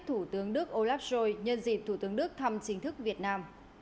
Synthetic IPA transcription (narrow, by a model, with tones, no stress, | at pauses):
t̪ʰu˧˩t̪ɨ˨˦əŋɗɨ˦˥ək̚ʔo˧laː˦˥p̚zo˧jɲə˧nzḭ˨˩p̚t̪ʰu˧˩t̪ɨ˨˦əŋɗɨ˦˥k̚t̪ʰa˧mt͡ɕï˨˦ŋ̟t̪ʰɨ˦˥k̚vi˨˩ət̚naː˧m